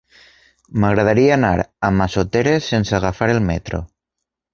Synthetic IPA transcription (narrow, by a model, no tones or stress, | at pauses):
maɣ̞ɾað̞aɾiaana̰ɾamasot̪eɾesːenseaɣ̞afaɾelmet̪ɾo̰